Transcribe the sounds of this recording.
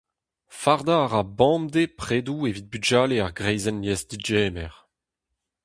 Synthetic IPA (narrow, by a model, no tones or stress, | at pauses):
faʁd̪aːʁabɑ̃md̪epχeːd̪uevit̪̚byd͡ʒaːleaʁɡʁɛjzɛnjɛsd̪id͡ʒɛːmɛʁ